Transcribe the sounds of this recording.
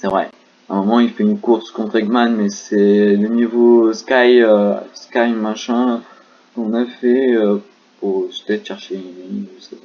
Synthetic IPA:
sɛvʁɛ | ɛ̃mɔmɑ̃ilfɛynkuʁskɔ̃t̪χɛɡmanmɛsɛlənivoskajøskajmaʃɛ̃ | kɔ̃nafɛø | puʁsə̥t̪ɛt̪ʃɛʁʃeləivəsɛpa

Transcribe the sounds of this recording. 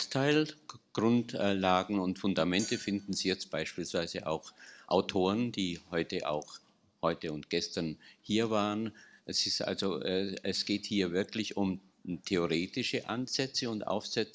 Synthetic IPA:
tʰaɪlɡ̥ʁʊntlaːɡŋ̩ʊntfʊndamɛntəfɪndn̩ziːjɛt͡st̚b̥aɪʃpiːlsv̥aɪzəʔa̰ʊxʔa̰ʊtʰoːʁənd̥iːhɔʏtəʔa̰ʊx | hɔʏtəʊntɡ̥ɛstɐnhiːɐvaːʁənʔɛsɪstʔa̰lzoʔɛɛsɡ̥eːthiːɐvɪɐklɪçʊm | tʰeoʁeːtɪʃəʔa̰nz̥ɛt͡səʊntʔa̰ʊfz̥ɛt͡s

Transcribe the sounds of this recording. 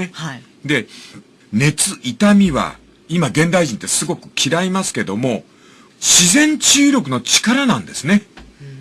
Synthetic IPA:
e | d̪e̞ | ne̞t͡sɨʔit̪amʲiβa̰ | imaɡẽ̞nd̪aiʑĩnt̪ːe̞sɨɡo̞kɯ̟̥kʲʰiɾaimasɨ̥ke̞d̪o̞mo̞ | ɕizẽ̞ɲ̟t͡ɕɨːɾʲo̞k̬ɯ̟no̞t͡ɕi̥kaɾanãnd̪e̞sɨne̞

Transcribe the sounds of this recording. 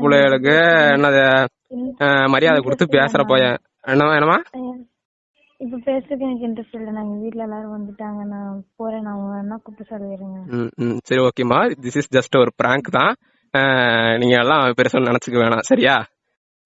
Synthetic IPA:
pʊɭɐɐɭɯkːɯɛnːɐðɐ | mɐɾɪjaːðɐkʊɽɯt̪ːɯpeːsɐɾɐpoːjɐ̃ | ɛɳːɐmãːɛɳːɐmaː | ɪp̬ːɐpeːsɾɯkːɛnɐk̬ːɪndɾɐsʈɐlʈɐnaːŋɡɐʋiːʈːɪlɛlːaːɾɐʋɐnd̪ɯʈːaːŋɡɐnãːpoːɾenaʋɐɡɐnːãːkʊpːɐsɔlɪɾɯŋɡɐsɐɾioːkːejɐmaːd̪ɪsɪsd͡ʒɐsʈɔɾɯbɪɾaːŋkt̪ãː | niːŋɡɐɛlːãːpɛɾɪsɔnnɐnɐt͡ʃːɯkːɯʋeːɳãːsɐɾɪjaː

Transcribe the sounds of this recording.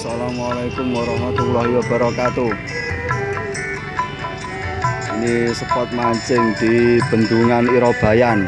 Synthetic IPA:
salamalakʊmwaɾɔhmat̪ulaɦiwab̥a̤ɾakat̪u | inisəpɔt̪̚maɲt͡ʃɪŋd̪̥i̤b̥ə̤nd̪uŋaniɾɔb̥a̤jan

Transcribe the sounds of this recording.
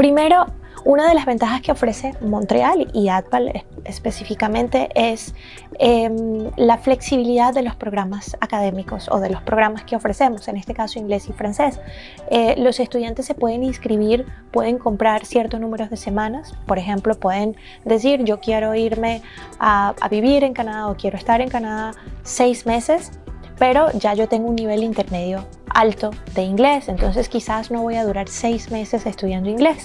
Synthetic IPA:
pɾime̞ɾo̞ | unaðe̞lazβe̞nt̪axaske̞o̞fɾe̞se̞mont̪ɾḛaliat̪̚palḛespesifikamẽ̞nt̪e̞ʔes | emlafle̞ksiβ̞iliðaðːe̞lo̞spɾo̞ɣɾamasakaðe̞miko̞so̰ð̞e̞lo̞spɾo̞ɣ̞ɾamaskeo̞fɾe̞se̞mo̞se̞ne̞st̪ekaso̞iŋɡle̞sifɾanse̞s | elo̞se̞st̪uðjant̪e̞sːepwe̞ð̞eninskɾiβ̞iɾpwe̞ð̞e̞ŋko̞mpɾaɾsje̞ɾt̪oznũme̞ɾo̞zðe̞se̞mãnaspo̞ɾexe̞mplo̞pwe̞ðen | d̪es̬iɾd͡ʒo̞kje̞ɾo̞iɾme̞ | aa̰βiβiɾe̞ŋkanaðaokje̞ɾoest̪aɾe̞ŋkanaðasejzme̞se̞s | pe̞ɾo̞ʝaʝo̞t̪e̞ŋɡounːiβ̞e̞lint̪e̞ɾme̞ð̞jo̞ | a̰lt̪o̞ðe̞iŋɡle̞se̞nt̪o̞nse̞skisasno̞β̞o̞jaðuɾaɾse̞jzme̞se̞sest̪uðjand̪oiŋɡle̞s

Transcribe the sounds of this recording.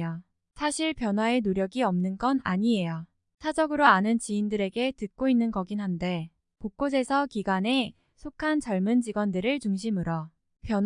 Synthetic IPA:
a | sʰaɕʰiɭpjʌnɦwae̞noɾjʌɡiʌmnɯnɡʌna̰ɲie̞ja | sʰad͡ʑʌɡɯɾoanɯnt͡ɕiːndɯɾe̞ɡe̞tɯk͈oinːɯnkʌɡinɦande̞ | pok͈̚os̬ʰe̞sʰʌkiɡane̞ | sʰokʰant͡ɕʌɭmɯnd͡ʑiɡwʌndɯɾɯɭt͡ɕuŋɕʰimɯɾʌ | pjʌn

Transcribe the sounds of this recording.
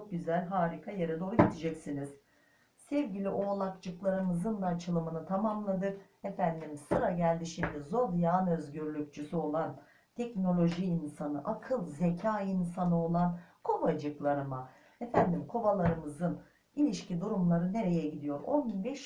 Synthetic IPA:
t͡ʃʰok̚ɟyzælʲɦaːɾikʰajeɾad̪o̞ɾɟit̪ʰid͡ʒɛcsiniz̥ | sɛvɟilʲiʔo̞ːlˠakd͡ʒɯklˠaɾɯmɯzɯnd̪aːt͡ʃʰɯlˠɯmɯnɯt̪ʰamamlˠad̪ɯk | efænd̪imsɯɾaɟælʲd̪iʃimd̪ʲizo̞d̪jaːnø̞zɟyɾlʲyc̚t͡ʃʰysyo̞lˠan | t̪ʰɛcno̞lʲo̞ʒiːnsanɯʔakʰɯlˠzecʰaːinsanɯo̞lˠankʰo̞bad͡ʒɯklˠaɾɯma | efænd̪imkʰo̞balˠaɾɯmɯzɯn | ilʲiʃcʰid̪uɾumlˠaɾɯne̞ɾe̞jɛɟid̪ijo̞ɾo̞nbinbɛʃ

